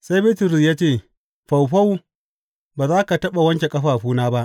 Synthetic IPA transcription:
sa˦jbɪː˦tɪ˨ɾi˨jaː˦t͡ʃeː˦˨ | ɸa˨wɸa˦w | baː˨zaː˦ka˨tɐ˦ɓa˨wɐ˦ŋkʲe˨kʼɐ˦ɸaː˨ɸuː˦naː˦ba˦ʔ

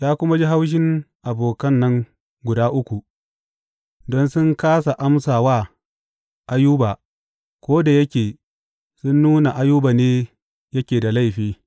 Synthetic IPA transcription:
jaː˦kʷʊ˦ma˦d͡ʒi˦ɦa˦wʃ̬ɪ˦ŋʔa˨boː˨kɐ˦nːɐ˦ŋ | ɡʷʊ˨daː˦ʔʊ˦kʷu˨ | dɔ˦nsʊ˦ŋkaː˦sa˨ʔa˦msaː˨waː˦˨ | ʔa˦juː˦baː˨ | kʷoː˦da˨jɐ˦kʲeː˨ | sʊ˦nːuː˦na˨ʔa˦juː˦baː˨neː˦ | jɐ˦kʲeː˨da˨la˦˨jɸiː˦

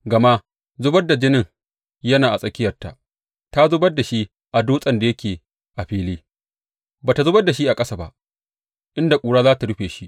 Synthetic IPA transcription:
ɡɐ˨ma˦ | zʊ˦bɐ˦rda˨d͡ʒɪ˦nɪ˦ŋ | jɐ˦naː˨ʔa˨sʼɐ˦kʲɪ˦jɐ˨rta̰˨ʔ | ta˦zʊ˦bɐ˦rdːa˨ʃi˦ | ʔa˨duː˦sʼɐ˨nda˨jɐ˦kʲeː˨ | ʔa˨ɸiː˦liː˦ | baː˨ta˨zʊ˦bɐ˦da˨ʃi˦ʔa˨kʼɐ˦sa˨ba̰˦ʔ | ʔɪ˦nda˨kʷʼuː˨ɽaː˦zaː˦ta˨ɽʊ˦ɸeː˨ʃi˦ʔ

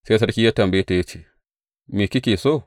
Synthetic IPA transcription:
seː˦s̬ɐ˦ɽkʲi˦jaː˦tɐ˨mbɐ˦je˦ta˨ja˦t͡ʃe˦˨ | meː˨kʲi˦kʲeː˨soː˦˨

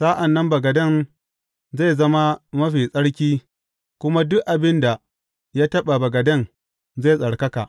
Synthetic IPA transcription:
saː˦ʔa˨nːɐ˦mbɐ˨ɡɐ˨dɐ˦˨n | za˦˨zɐ˦ma˦mɐ˦ɸiː˨sʼɐ˦ɽkʲiː˦ | kʷʊ˦ma˦dʊ˦kʔa˨bɪ˦nda˨ | jaː˦tɐ˦ɓa˨bɐ˨ɡɐ˨dɐ˦˨n | za˦˨sʼɐ˨ɽkɐ˦ka̰˨ʔ

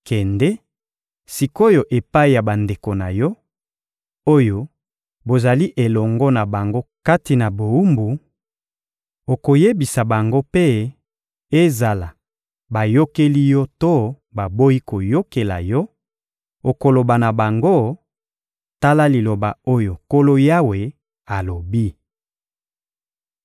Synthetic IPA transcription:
kɛ˨ndɛ˦ | si˨ko˦jo˨ʔe˨pa˦i˨ja˨ba˨nde˨ko˨na˨jɔ˦ | o˦jo˨ | bo˨za˨li˦ʔe˨lɔ˨ŋɡɔ˦na˨ba˨ŋɡo˦ka˦ti˨na˨bo˨u˦mbu˨ | o˨ko˨je˦bi˨sa˨ba˨ŋɡo˦pe˦ | e˦za˨la˨ | ba˨jo˦ke˦li˦jɔ˦to˦ | ba˨bo˦i˦ko˨jo˦ke˨la̰˨jɔ˦ | o˨ko˨lo˨ba˨na˨ba˨ŋɡo˦ | ta˦la˦li˨lo˨ba̰˨o˦jo˨ko˦lo˦ja˦we˨ | a˨lo˨bi˦

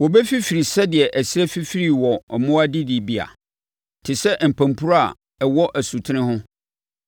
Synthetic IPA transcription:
wɔ˨bɛ˦fi˦fi˨ɾi˨sɛ˦dɪ˨ɛ˨ʔæ˨sæ˦fi˦fi˦ɾi˦˨wɔ˨mʊ̃˦a˦di˦di˨bi˨a̰˨ | tʰɪ˨sɛ˦m̩˨pʰã˨mpʰu˦ɾa˨ | ɛ˨wɔ˦ʔæ˨su˨tʰɪ˦nɪ̃˦ɦʊ̃˦

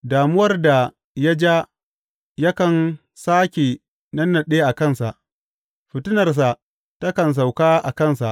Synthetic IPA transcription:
daː˨mʊ˦wɐ˦rda˨ | ja˦d͡ʒa˦ | ja˦kɐ˨n | saː˦kʲeː˨ | nɐ˦nːɐ˨ɗeː˦ʔa˨kɐ˦˨nsa˨ʔ | ɸɪ˨tʊ˦nɐ˨rs̬a˨ | ta˦kɐ˨ns̬a˨wkaː˦ʔa˨kɐ˦˨nsa˨ʔ

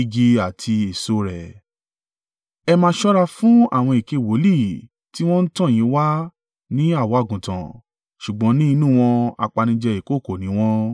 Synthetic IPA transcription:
ɡi˧a˨tʰi˧e˨so˨˦ɾɛ˨ | ɛ˧mãː˦ʃɔ˦ɾa˦˧fũ˦a̰˦˨w̃ɔ̃˧i˨ke˨˧˨wo˨˦li˦˨ | ti˦w̃ɔ̃˦n̩˦tã˦˨j̃ĩ˨˦wa˦ | nĩ˦a˦˨wɔ̃˨˦a˦˨ɡũ˨tã̰˨ | ʃu˨ɡ͡bɔ̃˨˦nĩ˦i˧˦nũ˦˨w̃ɔ̃˧a̰˧k͡pa˧nĩ˧d͡ʒɛ˧i˨ko˦˨ko˦˨nĩ˨˦w̃ɔ̃˦

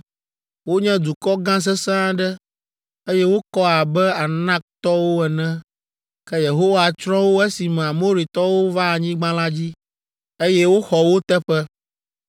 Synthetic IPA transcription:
wo˦ɲɛ̃˦d̪u˨kɔ˦ɡã˦s̬ɛ˦sã˦ɖɛ˦ | e˦jɛ˦wo˦kɔ˦a˨bɛ˦a˨nã˦k̚t̪ɔ˦wo˦ɛ˨nɛ̃˦ | kɛ˦je˨ɦo˦wa˨t͡ʃɾɔ̃˦wo˦ɛ˦si˨m˨a˨mo˦ɾi˨t̪ɔ˦wo˦va˦˨ɲĩ˦ɡ͡bã˦la˦d͡ʑi˦ | e˦jɛ˦wo˦xɔ˨wo˦t̪ɛ˦ɸɛ˦

